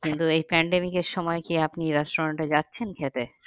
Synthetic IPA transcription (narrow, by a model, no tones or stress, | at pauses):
kint̪uejpɛɳɖemikeɾʃɔmɔekiapniɾasʈɾaɳʈed͡ʑatːɕʰenkʰet̪e